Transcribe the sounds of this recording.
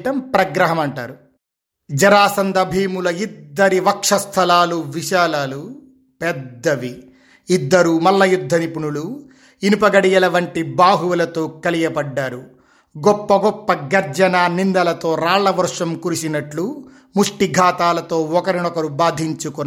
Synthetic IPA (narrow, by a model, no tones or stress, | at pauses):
ʈɐmpɾɐɡɾɐɦɐmɐɳʈaːɾu | d͡ʒɐɾaːsɐnd̪ɐbʱiːmulɐid̪ːɐɾiʋɐkʂɐst̪ʰɐlaːluʋiʃaːlaːlu | pɛdd̪ːɐʋi | id̪ːɐɾumɐlːɐjud̪ʱːɐnipuɳulu | inipɐɡɐɽijɐlɐʋɐɳʈibaːɦuʋɐlɐt̪o̞ːkɐlijɐbɐɖːaːɾu | ɡɔpːɐɡɔpːɐɡɐɾd͡ʒɐnanind̪ɐlɐt̪o̞ːɾaːɭːɐʋɐɾʂɐmkuɾisinɐʈlu | muʂʈiɡʱaːt̪aːlɐt̪o̞ːɔkɐɾinɔkɐɾubaːd̪ʱiɲt͡ʃukun